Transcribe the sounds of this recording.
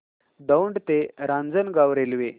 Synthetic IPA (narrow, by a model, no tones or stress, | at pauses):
d̪əwɳɖt̪eɾãnd͡zənɡaʋɾelʋe